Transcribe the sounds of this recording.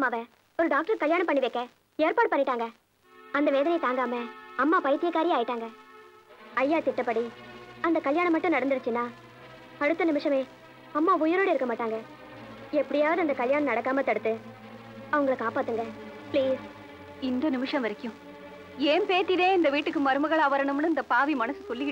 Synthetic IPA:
mːaːʋɐ | ɔɾɯɖaːk̚ʈɐɾkɐljaːɳɐ̃mp̬ɐɳːɪʋeːkːɐ | eːɾpaːɽɯpɐɳːɪʈːaːŋɡɐ | ɐnd̪ɐʋeːðɐnɐɪt̪aːŋɡaːmɐɐmːaːpɐjt̪ɪjɐkːaːɾɪjaːjɪʈːaːŋɡɐ | ɐjːaːt̪ɪʈːɐpːɐɽiɐnd̪ɐkɐljaːɳɐmːɐʈːʊ̃nɐɽɐnd̪ɯɾɯt͡ʃːɯnːaː | ɐɽɯt̪ːɐnɪmɪʂɐmeː | ɐmːaːʊjʊɾoːɽɯɪɾɯkːɐmaːʈːaːŋɡɐ | ɛpːɐɽɪjaːʋɐðɯɐnd̪ɐkɐljaːɳɐmnɐɽɐkːaːmɐt̪ːɐɽɯt̪ːɯ | ɐʋɐŋɡɐɭɐkːaːpaːt̪ːɯŋɡɐ | pliːs | ɪnd̪ɐnɪmɪʂɐ̃mʋɐɾɪkːjʊ̃ | eːmpeːt̪ːɪðẽːɪnd̪ɐʋiːʈːɯkːɯmɐɾɯmɐɣɐɭaːʋɐɾɐɳɯmnɯɪnd̪ɐpaːʋimɐnɐsɯsɔlːɪɪ

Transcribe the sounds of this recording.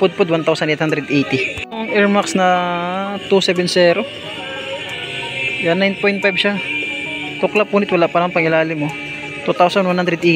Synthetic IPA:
pʊd̪̚pod̪want̪awsɐnʔejt̪hand̪ɾɛd̪ʔejt̪ɪŋʔɛɹmaksnɐ | t̪usɛbɛnsɛːɾo | janːajnpojnt̪̚fajbʃa | t̪ʊklapːuːnɪt̪wɐlaʔpɐlɐŋpɐŋɪlaːlɪŋmo | t̪ut̪awsɐnwanhand̪ɾɛd̪ʔe

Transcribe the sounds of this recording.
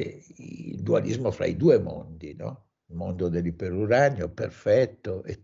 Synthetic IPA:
ild̪ualizmofɾa̰id̪uːemo̰nd̪inɔ̰ | mond̪od̪elːipeɾuɾanjoperfɛt̪ːoʔe

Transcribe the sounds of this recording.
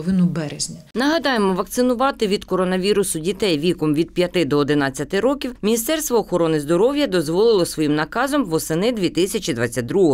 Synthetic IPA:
ʋɪnʊbɛɾezʲnʲɐnɐɦɐd̪ɑjemɔʋɐkt̪sɪnʊʋɑt̪ɪʋʲid̪̥kɔɾɔnɐʋʲiɾʊsʊdʲit̪ɛjʋʲikɔmʋʲid̪̚pʲjɐt̪ɪd̪ɔɔd̪ɪnɑt͡sʲːɐt̪ɪɾɔkʲiwmʲinʲist̪ɛrst̪ʋɔːxɔɾɔnɪzd̪ɔɾɔwjɐd̪ɔzʋɔlˠɪlˠɔsʋɔjimnɐkɑzɔmʋɔsɪnɪd̪ʲʋʲit̪ɪsʲɐt͡ʃid̪ʋɑt͡sʲːɐt̚ʲd̪ɾuɦɔ

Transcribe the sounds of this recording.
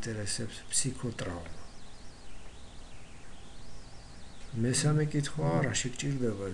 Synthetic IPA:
t̪ʼɛɾɛsɛpspʰsikʰɔt̪ʼɾavma | mɛsamɛkʼit̪ʰχwaːɾaʃikʼt͡ʃʼiɾd̪ɛba

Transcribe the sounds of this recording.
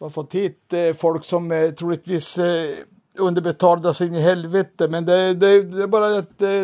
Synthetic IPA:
bɑfɔt̪ʰːiːt̪fɔlksɔmt̪ʰɾuːlət̪ʋiːs | ɵnd̪əɾbət̪ʰɑːld̪ɑsɪɪnəɦɛlʋət̪əmɛnd̪ɛd̪ɛd̪ɛæɾbɑːɾəɛt̪

